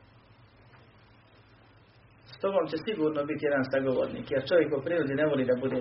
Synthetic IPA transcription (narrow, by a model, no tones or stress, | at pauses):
st̪obomt͡ɕe̞siɡuːɾnobit̪ije̞d̪ansaɡo̞ʋo̰ːɾnḭːkjeɾt͡ʃo̞ʋjekopɾiːɾod̪ine̞ʋo̞liːd̪abud̪e